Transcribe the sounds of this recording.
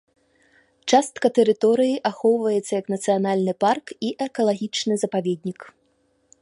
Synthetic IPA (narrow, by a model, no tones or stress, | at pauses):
t͡ʂast̪̚kɐt̪ɛɾɨt̪ɔɾɨjiʔaxɔwvɐjɛt̪sːɐjɐknɐt̪sɨjanalʲnɨparkiʔɛkɐlˠaɣʲit͡ʂnɨzɐpavʲed̪ʲnʲik